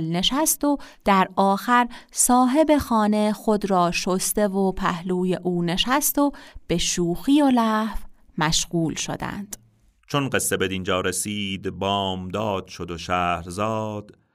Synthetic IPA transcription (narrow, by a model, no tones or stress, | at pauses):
lne̞ʃæst̪od̪̥æɾɒːxæɾsɒːɦe̞be̞xɒːne̞xod̪ɾɒːʃost̪e̞vopʰæhluːje̞ʔuːne̞ʃæst̪ob̥e̞ʃuːxijolæːhf | mæʃɣuːlʃo̰d̪æ̰nd̪̥ | t͡ʃʰonɢe̞sːebe̞d̪ind͡ʒɒːɾesiːd̪bɒːmd̪ɒːd̪̥ʃod̪oʃæːhɾzɒːd̪̥